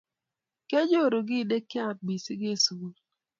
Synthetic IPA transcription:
ke˦d͡ʒo˦˨ɾo˨ɡɪ˦˨de˦kːɪ˦a˦˨t̪̚bi˨sɪ˦ɡe˦˨su˨u˦l

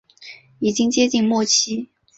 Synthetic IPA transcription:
i˨˩t͡ɕi˥ŋt͡ɕjɛ˥t͡ɕi˥˧ŋmwɔ˥˩t͡ɕʰi˥

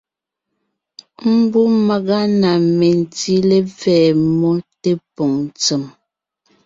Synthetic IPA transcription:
m̩˦bu˦ma˨ɣa˦na˨me˨n̩˨ti˦le˦vɛː˨mɔ˦te˦pɔ˨ŋ˨t͡sə˨m

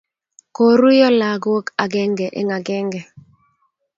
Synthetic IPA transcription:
ko˨ɾu˦jɔ˦la˨ɡwo˦ka˨ɡɛ˦ŋɡɛ˨ʔɛ̰˦ŋa˨ɡɛ˦ŋɡɛ˨

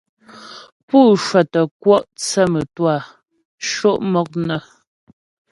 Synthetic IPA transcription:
puː˦˨ʃwa˨tə˨kwɔ˦ʔt͡sɛ˦˨mə˨twa˦˨ | ʃo˦˨ʔmɔ˦k̚nə˨

